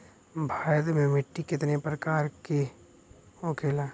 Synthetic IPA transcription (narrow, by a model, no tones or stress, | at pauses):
bʱaːɾt̪mẽmɪʈːikɪt̪nepɾɐkaːɾke | okʰeːlaː